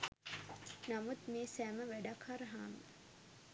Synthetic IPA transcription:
namut̪meːsæːməʋæɖakʰhaɾɦaːmə

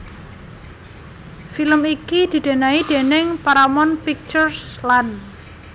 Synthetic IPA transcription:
filəmikid̪̥i̤d̪̥e̤naid̪̥e̤nɪŋpaɾamɔnpik̚t͡ʃʊrslan

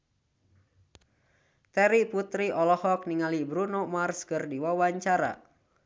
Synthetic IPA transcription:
t̪ɛɾiput̪ɾiʔɔlɔhɔk̚niŋalibɾunɔmarskɨrdiwawaɲt͡ʃaɾa̰

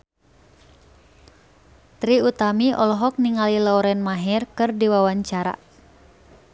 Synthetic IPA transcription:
t̪ɾiut̪amiʔɔlɔɦɔk̚niŋalilaɔɾɛnmaɦɛrkɨrdiwawaɲt͡ʃaɾa̰

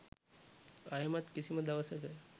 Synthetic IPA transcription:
ajəmat̪kisiməd̪aʋəsəkə

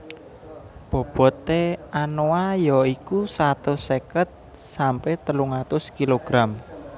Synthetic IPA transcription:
b̥ɔ̤b̥ɔ̤t̪ːeanoajɔikusat̪osekət̪̚ | sampɛht̪əluŋat̪ʊskiloɡ̥ɾam

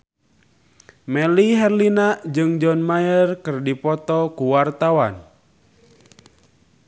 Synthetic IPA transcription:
mɛliɦɛrlinaʔd͡ʒɨŋd͡ʒɔnmajərkɨrdipɔt̪ɔkuwart̪awan

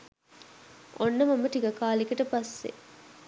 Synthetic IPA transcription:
onːɐmɐmɐʈiɡɐkaːlikɐʈɐpɐsːḛ

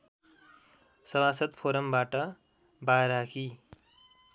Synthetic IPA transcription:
sʌbasʌt̪pʰoɾʌmbaʈʌ | baɾakʰi

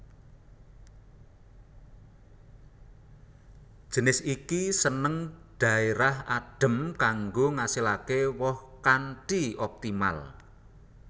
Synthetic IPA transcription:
ʒ̥ə̤nɪsikisənəŋɖ̪̥ä̤eɾahaɖ̥ə̤mkaŋɡoŋasilakewɔhkanʈiɔp̚t̪ima̰l

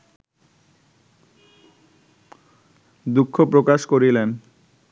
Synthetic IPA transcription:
d̪ukʰːopɾokaʃkoɾilen

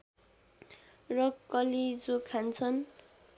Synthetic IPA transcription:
rʌkʌlid͡zokʰant͡sʰʌn

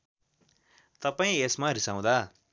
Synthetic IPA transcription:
t̪ʌpaĩesmaɾisãw̃d̪a

